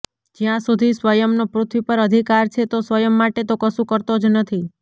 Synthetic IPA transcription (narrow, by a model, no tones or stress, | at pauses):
d͡ʒjãsud̪ʱisʋəjəmnopɾʊt̪ʰʋipəɾəd̪ʱikaɾt͡ʃʰet̪osʋəjəmːaʈet̪okəsũkəɾt̪od͡ʒnət̪ʰi